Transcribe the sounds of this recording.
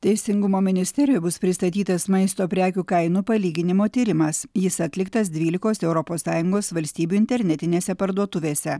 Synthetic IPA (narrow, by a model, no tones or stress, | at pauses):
t̪ʲɛɪsʲɪŋɡʊmoːmʲɪnʲɪsʲt̪ʲɛɾʲɪjobʊspʲɾʲɪst̪ɐt̪ʲiːt̪ɐsmɐɪst̪oːpʲɾʲæːkʲukɐɪnuːpɐlʲiːɡʲɪnʲɪmoːt̪ʲiːɾʲɪmɐsjɪsɐt̪ʲlʲɪkt̪ɐs̬d̪ʲʋʲiːlʲɪkoːsɛʊɾɔpoːsːɑːjʊŋɡoːsʋɐlʲsʲt̪ʲiːbʲuːɪnʲt̪ʲɛɾʲnʲɛt̪ʲɪnʲeːsʲɛpɐɾd̪uɔt̪ʊʋʲeːsʲɛ